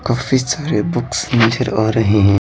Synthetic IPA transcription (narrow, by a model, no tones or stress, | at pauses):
kaːfisaːɾebʊksnit͡ʃəɾɔːɾɐɦeɦɛ̃